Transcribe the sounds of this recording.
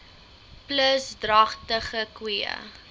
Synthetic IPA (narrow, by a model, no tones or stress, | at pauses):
pləsdrɐχtəχəkwiə̰